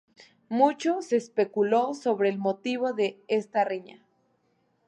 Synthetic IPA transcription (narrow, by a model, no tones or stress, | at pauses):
mut͡ʃoseːspekulosoβɾeːlmot̪iβoðeest̪areɲa